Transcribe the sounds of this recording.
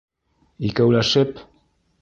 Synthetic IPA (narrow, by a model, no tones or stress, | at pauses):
ikawlaʃep